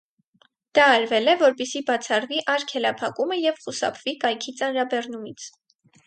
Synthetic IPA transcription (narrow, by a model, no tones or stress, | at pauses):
d̪̥ɑːɾvɛlɛvɔɾpisibɑt͡sʰɑrviʔɑɾkʰɛlɑpʰɑkuməjɛvχusɑ̰pʰv̥ikɑjkʰit͡sɑnɾɑbɛrnumit͡sʰ